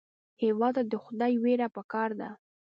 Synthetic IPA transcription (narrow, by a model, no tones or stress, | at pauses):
hewɑd̪d̪əxʊd̪ɑjweɾapəkɑɾd̪a̰